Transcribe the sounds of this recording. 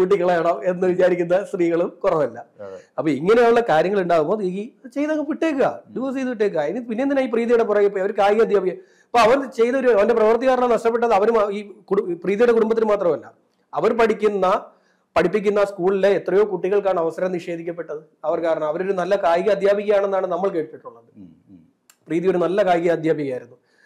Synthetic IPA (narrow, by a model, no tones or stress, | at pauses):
kuːʈ̬ːikːɐɭeːɳɐe̞nːɨʋit͡ɕaːɾikʲːunːɐst̪riːɣɐɭumkurɐʋɐlːɐɐpːoːiŋːɐneaːuɭːɐkaːɾjɐŋːɐɭuɳɖaːɣumboːðit͡ɕe̞jt̪ɐŋːʋiʈːe̞ːk̬ːɨa̰ːd̪iʋoːst͡ɕejt̪ːɐʋiʈːeːk̬ːɨaenpinːend̪inaiːp̬riːðijuɽe̞p̬urɐjipːoiɐʋɐɾkaːjiɣɐd̪ʱjaːbikʲːɐ | ɐpːoːɐʋɐɾt͡ɕe̞jnɐo̞ɾuɐʋɐnde̞prɐʋɐrt̪iɣaːɾnɐnɐʂʈɐp̬ːe̞ʈːɐðɨɐʋɐɾumiːkuɽpriːðijuɽe̞kuɽumbɐt̪ːilɨmaːt̪rɐmɐlːɐ̰ | ɐʋɐɾpɐɽikʲːunːɐ | pɐɽʰipːik̬ʲːunːɐskuːɭile̞ːt̪ːrɐjo̞ːkuʈːiɣɐɭkaːɳɐʋɐsɐɾɐmniʂe̞ːd̪ʱikʲːɐpːe̞ʈːɐðɨ | ɐʋɐrkaːɾɐɳɐmɐʋɐɾoɾunɐlːɐkaːjiɣɐd̪ʱjaːbʱiɣɐjaːɳenːaːɳɨnɐmːɐɭke̞ːʈɨpːeʈːuɳːɐðɨ | priːðio̞ɾunɐlːɐkaːjɣɐd̪ʱjaːbʱiɣɐjaːjiɾunːu